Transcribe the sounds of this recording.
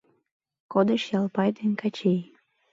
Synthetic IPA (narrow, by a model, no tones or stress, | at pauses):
kod̪əʃjɑlˠpɑjd̪enʲkɑt͡ɕej